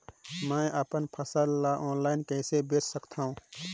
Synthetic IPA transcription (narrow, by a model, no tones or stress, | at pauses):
mɛ̃ːʔəpənpʰəsəlːaʔɔːnlaːɪnkɛːsebeːt͡ʃʰsəkt̪ʰaːɦũː